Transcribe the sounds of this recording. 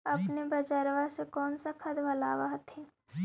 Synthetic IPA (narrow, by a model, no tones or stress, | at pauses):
ɐpnebɐd͡ʒaɾʋasekɔːnsakʰəd̪ʋɐlaːʋaɦt̪ɛː